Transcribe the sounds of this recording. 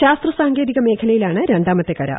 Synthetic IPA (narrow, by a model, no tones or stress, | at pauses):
ɕaːst̪rɐsaːŋɡeːðiɣɐme̞ːkʰɐlɐjilaːɳɨɾeɳɖaːmɐt̪ːekːɐɾɐ̰